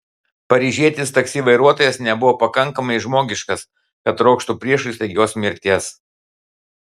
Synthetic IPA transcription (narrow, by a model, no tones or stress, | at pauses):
pɐɾʲiːʒʲiɛt̪ʲɪst̪ɐksʲiːʋɐɪɾuɔt̪oːjɛsnʲɛbʊʋoːpɐkɐŋˑkɐmɐɪʒmoːɡʲɪʃkɐs | kɐt̪ɾoːkʃt̪upʲɾʲiɛʃʊst̪ʲɐɪɡʲoːsmʲɪɾʲt̪ʲiɛs